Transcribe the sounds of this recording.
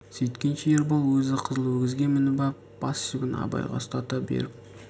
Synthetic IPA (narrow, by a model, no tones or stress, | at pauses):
sejt̪kʲenʃeeɾbolˠwɵzɪqʰəzəlˠwɵɾɡʲɪzɡʲe̞nmɪnɪbɑp | b̥ɑssɪkʲɪn̰ɑ̰bɑ̰jʁɑ̰st̪ɑt̪ɑbḛɾɪp̚